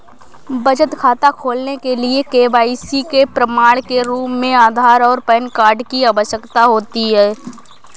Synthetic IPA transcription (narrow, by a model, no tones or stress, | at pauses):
bɐd͡ʒət̪kʰaːt̪akʰoːlnekeliekeːbaːisikepɾəmaːɽkeɾuːpmẽaːd̪ʱaːɾɔːɾpɛːnkaːɾɖkiaːʋəʃjəkt̪aɦoːt̪iɦɛː